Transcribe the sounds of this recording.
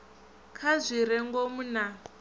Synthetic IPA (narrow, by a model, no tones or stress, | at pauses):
kʰazʷiɾɛŋɡomuna